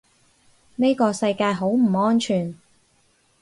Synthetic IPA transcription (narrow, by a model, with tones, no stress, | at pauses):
ne˥jkɔː˧sɐ˧jkaː˧jɦo˨˥wm̩˨˩ŋɔː˥nt͡ʃʰyː˨˩n